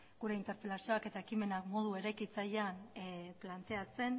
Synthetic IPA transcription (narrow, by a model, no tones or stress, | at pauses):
ɡ̥uɾe̞int̪e̞ɾpe̞lasio̞ake̞t̪aekime̞nakmo̞ð̞ue̞ɾajkit͡sajanplant̪e̞at͡se̞n